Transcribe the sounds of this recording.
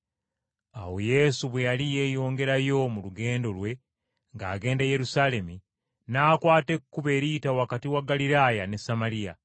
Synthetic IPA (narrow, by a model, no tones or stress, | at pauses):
a̰woje̞ːsuβwe̞jalijeːjo̞ːŋɡe̞ɾajo̞muluɡe̞ːndo̞lwe̞ | ŋɡa̰ːɡe̞ːndeje̞ɾusale̞mi | naːkwaːte̞kkːuβeːɾiːtawakatiwaɡːalilajane̞samalija̰